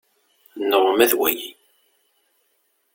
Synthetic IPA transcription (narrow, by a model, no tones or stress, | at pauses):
nːəʁmæðwæ̰ji